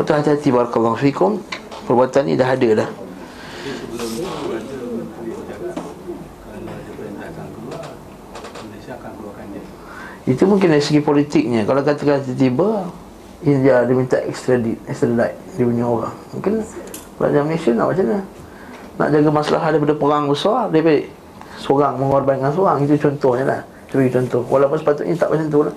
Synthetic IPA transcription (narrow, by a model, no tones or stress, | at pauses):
bat̪uɦat̪iɦat̪ibaɾakalːaɦfikʊm | pərbuat̪anːḭdaɦadalah | a | aank | it̪umũŋkɪndaɾisəɡipolit̪ɪk̚ɲãkalakat̪akanat̪ət̪̬iba | indiadimint̪aʔɛ̰kst̪ɾadit̪̚ɛkst̪ɾedat | dibuɲioɾa̰ŋmuŋkɪn | la̰ʔd͡ʒamnesiana̰ʔa̰ʔt͡ʃaɲa | na̰ʔd͡ʒaɡamasala̰ɦat̪dajpadapəɾaŋbəsardaəpaiʔ | soɾaŋməŋarbaiŋans̬oɣaŋit̪ut͡ʃɔnt̪ɔhɲala̰h | t̪əpaɡit͡ʃɔnt̪ɔhwʔa̰lapʊnsə̥pat̪ʊt̪ɲit̪aʔaʔt͡ʃənt̪̬ula